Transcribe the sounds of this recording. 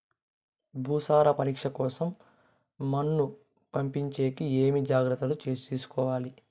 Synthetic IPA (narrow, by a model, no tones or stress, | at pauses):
bʱuːsaːɾɐpɐɾiːkʂɐkɔːsɐmː | ɐnːu | pɐmpiɲt͡ʃe̞ːkieːmid͡ʒaːɡɾɐt̪ːɐlut͡ʃeːst̪iːsu̥kɔːʋaːli